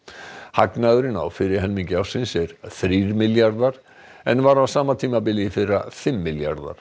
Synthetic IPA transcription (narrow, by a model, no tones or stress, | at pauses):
haknaðʏɾɪna̰wfɪɾɪɾ̥ɦɛlmiŋcɪawsɪnsɛɾ̥θɾiɾmɪljaɾðaɾ̥ | ɛnvaɾawsaːmat̪ʰiːmapɪlɪfɪrafɪmːɪlja̰ɾða̰ɾ̥